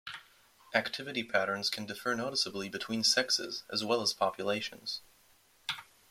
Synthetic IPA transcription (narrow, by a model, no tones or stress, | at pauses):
ʔæktʰɪvɨɾipʰæɾə̃˞nz̥kʰɨ̃ndɨfə˞noʊɾəsəblibɨtʰw̥ĩnsɛksɪ̰zʔɨ̰zwɛlˠəz̥pʰɑpʰjɨleɪʃɨ̰̃n̩z̥